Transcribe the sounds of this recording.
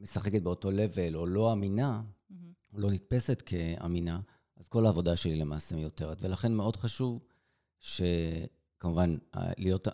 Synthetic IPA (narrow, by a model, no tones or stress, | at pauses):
me̞saχe̞ket̚beo̞to̞le̞ve̞lo̞lo̞amina | olo̞nit̚pe̞se̞tkʰe̞a̰mina | azko̞laːvo̞daʃe̞lile̞maːsemjo̞te̞ʁetve̞laχe̞nmeo̞dχaʃuv | ʃe̞ | kamuvan̰lijo̞t